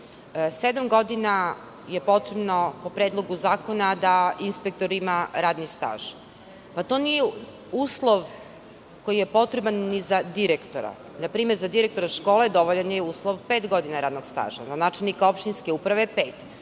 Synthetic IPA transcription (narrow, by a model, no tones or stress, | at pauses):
sed̪amɡo̞d̪ina | jepo̞t̪ɾebno̞po̞pɾed̪lˠo̞ɡuzaːkonad̪ainspek̚t̪oɾimaɾaːd̪nist̪a̰ːʒ | pat̪o̞nije | uːslˠoʋ | kojije̞po̞t̪ɾebanːizad̪iɾekt̪oɾa̰ | napɾiːmeɾzad̪iɾek̚t̪o̞ɾaʃko̞ːled̪o̞ʋoʎanjeuːslˠoʋpeːt̪ɡo̞d̪inaɾaːd̪noɡst̪a̰ːʒa̰zanaːt͡ʃelˠnikao̞pʃt̪inskeuːpɾaʋepeːt̪